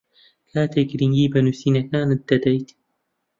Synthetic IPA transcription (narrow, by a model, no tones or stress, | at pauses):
kaːt̪ʰekɾiŋɡiːbɐnuːsiːnɐkaːnɨt̪̚d̪ɐd̪ɐjt̪